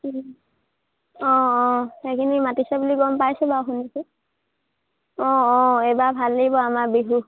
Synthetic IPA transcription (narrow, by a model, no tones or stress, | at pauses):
ɔ̃ɔ̃xekʰinimatisɛbuliɡɔmpajsɛbaxundisu | ɔ̃ɔ̃ebabʱalːeɡibɔamabiɦu